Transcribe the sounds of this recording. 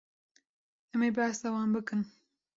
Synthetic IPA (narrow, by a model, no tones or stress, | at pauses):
ɛmeːbast̪awɑːnbɨkɨn